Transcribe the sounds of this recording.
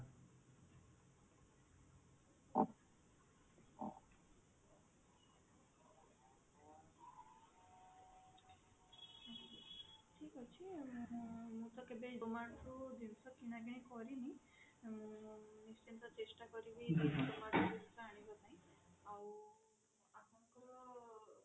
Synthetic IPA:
ʈʰikɔt͡ʃʰi | mũt̪ɔkebeomaɽtud̪insɔkinaɡiɽ̃ikɔɾini | nist͡ʃint̪ɔt͡ʃesʈakɔɾibid͡ʒid̪omaɽud̪insɔaɽ̃ibat̪aĩaw | akʰɔnŋkɔɾɔ

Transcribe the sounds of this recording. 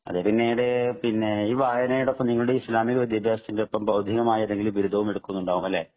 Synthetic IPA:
ɐ̰ðepinːejiɽepinːeiːʋaːjɐnɐjɽeopːɐmniŋːɐɭuɽeiːslaːmiɣɐɾɐd̪jɐbʱjaːsɐt̪ːindeopːɐmbʱɐwd̪ʱiɣɐmaːjiɐðeŋɡilumʋiɾud̪ʱɐʋume̞ɽukːunːuɳɖaːɣumɐlːeː

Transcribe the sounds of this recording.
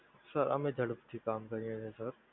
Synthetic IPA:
səɾɐ̰mẽd͡ʒʱɐɽəpt̪ʰikaːmkɐɾiẽsesəɾ

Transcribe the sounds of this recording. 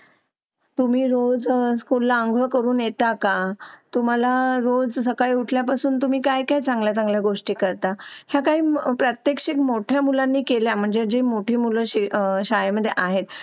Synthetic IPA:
t̪um̤iːɾod͡zskulːaəŋɡɭəkəɾuːnjet̪akat̪um̤alaɾod͡zsəkaɭiuʈʰljapasuːnt̪um̤iːkajkajt͡saŋɡljat͡sãŋɡljaɡoʂʈiːkəɾt̪ahjakaɦiːpɾət̪jekʂekmoʈʰjamulanːiːkeljam̤əɳd͡zed͡ʑemoʈʰiːmuləɕiɕajməd̪ʱːjeʔaɦet̪

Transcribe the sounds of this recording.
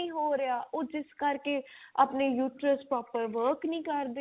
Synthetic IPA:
ĩːɦoːɾɪaːʔoːd͡ʒɪskəɾkeaːpneːjuːʈɾəspɾɔːpəɾʋəːɾknĩːkəɾd̪e

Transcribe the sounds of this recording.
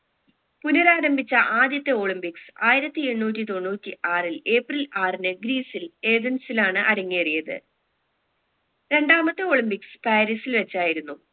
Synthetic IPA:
punɐɾaːɾɐmbʱit͡ɕːɐʔaːd̪jɐt̪ːɐo̞ːɭimpiksɨaːjiɾɐt̪ːie̞ɳːuːt̬ːit̪o̞nːuːtːiʔaːrile̞ːprilaːrinɨɡɾiːsile̞ːd̪ɐnsilaːɳɨʔɐɾɐŋːiɐrijɐðɨ̰ | ɾe̞ɳɖaːmɐt̪ːɨo̞ːɭimpikspaːɾisilʋet͡ɕːaːjiɾunːu

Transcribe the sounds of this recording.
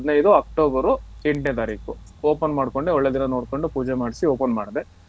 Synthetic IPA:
d̪nɐjd̪uɐk̚ʈoːbɐɾueɳʈnet̪aːɾiːkuoːpɐnmaːɽko̞ɳɖeɔɭːed̪inɐno̞ːɽkoɳɖupuːd͡ʒemaːɽisioːpɐnma̰ːɽd̪e

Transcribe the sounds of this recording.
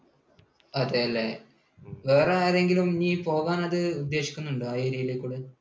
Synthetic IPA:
ɐðeɐlːe | ʋeːreaːɾe̞ŋɡilumniːpo̞ːɣaːnɐðɨud̪ːe̞ːɕikʲːunːuɳɖɨaːjeːɾijileːkʲːuːɽe

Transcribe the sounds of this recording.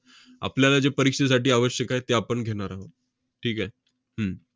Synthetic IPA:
a̰pljalad͡ʑepəɾikʂes̬aʈiːaʋəɕjəkaet̪eapəɳɡʱeɽ̃aɾaɦo | ʈʰiːkae | ɦə

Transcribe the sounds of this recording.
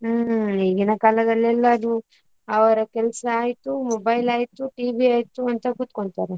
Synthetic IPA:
iːɡinɐkaːlɐd̪ɐlːɛlːɐd̪u | ɐʋɐɾɐkɛlsɐːjt̪umobɐjlaːjt̪uʈiːbiaːjt̪uɐnt̪ɐkut̪koɳt̪aːɾe

